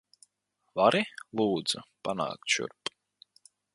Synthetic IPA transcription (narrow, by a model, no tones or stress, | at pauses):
vaɾilˠuːd̪z̥upana̰ːk̚t̪ʃṵɾp